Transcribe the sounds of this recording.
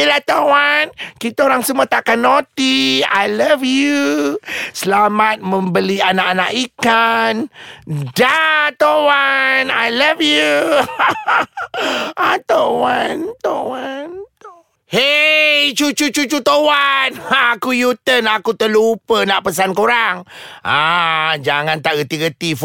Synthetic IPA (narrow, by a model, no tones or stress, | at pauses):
ilaht̪awankit̪aoɾaŋsəmuat̪akanːot̪ia̰jlavju | səlamat̪̚mə̃mbəlianakanaʔikan | dat̪owanajlavju | at̪owant̪owant̪ | hejt͡ʃut͡ʃut͡ʃut͡ʃut̪owanakujut̪ənakut̪əlupənaʔpəs̬ankoɾaŋad͡ʒaŋant̪aʔɡət̪iɡət̪if